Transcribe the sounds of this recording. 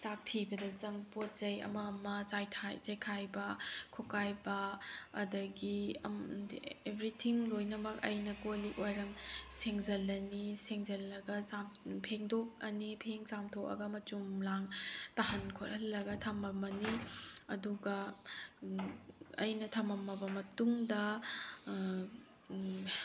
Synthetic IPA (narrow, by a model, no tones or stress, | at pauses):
sak̚tʰibɐdɐzɐŋpotzɐjɐ̰mɐmɐt͡ʃajtʰajzɐjkʰajbɐkʰokajbɐːdɐɡiɐ̰ | ebɾitʰiŋlojnɐmɐk̚ɐ̰jnɐkoliojɾɐmseŋzɐlːɐniseŋzɐlːɐɡɐsampʰeŋdok̚ɐnipʰeŋt͡ʃamtʰok̚ɐ̰ɡɐmɐt͡ʃumlaŋtahɐnkʰoɾhɐlːɐɡɐtʰɐmɐmɐniɐduɡɐ | ɐ̰jnɐtʰɐmɐmːɐbɐmɐtuŋdɐ